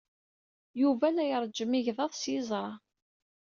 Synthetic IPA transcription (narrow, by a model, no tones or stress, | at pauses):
juvælæjəɾˤd͡ʒːəmiʝðˤɑðˤsjɪzˤɾˤɑ